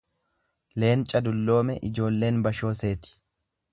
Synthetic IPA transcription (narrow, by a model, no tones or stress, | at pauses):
le̞ːnt͡ʃʼɐd̪ʊlːo̞ːmɛʔɪd͡ʒo̞ːlːe̞ːnbɐʃo̞ːse̞ːt̪ɪ̥